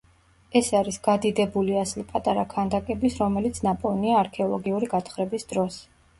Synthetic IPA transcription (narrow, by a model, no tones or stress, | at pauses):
ɛsaɾisɡ̥ad̪id̪ɛbuliaslipʼat̪ʼaɾakʰand̪akʼɛbisɾɔmɛlit̪sʰnapʼɔniaːɾkʰɛɔlˠɔɡiuɾiɡat̪χɾɛbisd̪̥ɾɔs